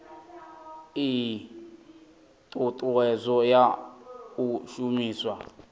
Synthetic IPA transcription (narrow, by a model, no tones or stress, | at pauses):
i | tʼutʼuɛzʷɔjakuʃumiːswa